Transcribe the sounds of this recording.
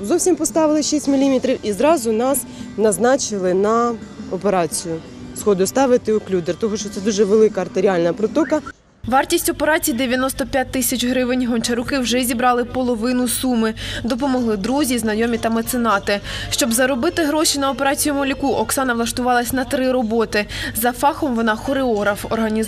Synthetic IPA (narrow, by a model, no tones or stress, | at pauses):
zɔwsʲimpɔst̪ɑʋɪlˠɪʃisʲtʲmʲilʲimʲit̪ɾʲiwʔizɾɑzʊnɑsnɐznɑt͡ʃɪlˠɪnɐɔpeɾɑt͡sʲijʊ | sxɔd̪ʊst̪ɑʋɪt̪ɪʊklʲud̪ert̪ɔɦɔʃt͡ʃɔt̪ɛd̪uʒɛʋelˠɪkɐɐrt̪eɾʲiɑlʲnɐpɾɔt̪ɔkɐ | ʋɑrtʲisʲtʲɔpe̞ɾɑt͡sʲijd̪eʋʲjɐnɔst̪ɔpʲjat̚ʲt̪ːɪsʲɐt͡ʃʲɦɾɪʋɪnʲɦɔnt͡ʃɐɾʊkɪwʒɛzʲibɾɑlˠɪpɔlˠɔʋɪnʊsumɪd̪ɔp̬ɔmɔɦlˠɪd̪ɾuzʲiznɐjɔmʲit̪ɐmɐt̪sɪnɑt̪ɪʃt͡ʃɔbzɐɾɔbɪt̪ɪɦɾɔʃʲinɐɔpe̞ɾɑt͡sʲijʊmɔlʲikuʔɔksɑnɐʋlˠɐʃt̪ʊʋɑlˠɐsʲnɐt̪ɾɪɾɔbɔt̪ɪzɐfɑxɔmʋɔnɑxɔɾeɔɦɾɐfɔrɦɐnʲi